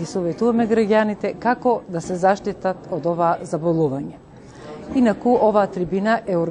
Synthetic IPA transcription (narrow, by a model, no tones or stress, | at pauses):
isɔvɛt̪uvamɛɡɾaɟanit̪ɛkakɔd̪asɛzaʃt̪it̪at̪od̪ɔvaːzabolˠuvaɲɛ | inakuʔɔvaːt̪ɾibinaʔɛoɾ